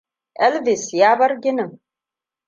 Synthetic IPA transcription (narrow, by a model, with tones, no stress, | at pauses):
ɛ˦lvi˨sjaːbarɡʲɪnɨ˨m